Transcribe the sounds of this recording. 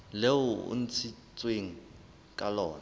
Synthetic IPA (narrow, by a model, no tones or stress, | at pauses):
leʊʊ̰n̩t͡sʰit͡sʼweŋ̩ | kʼalɔːna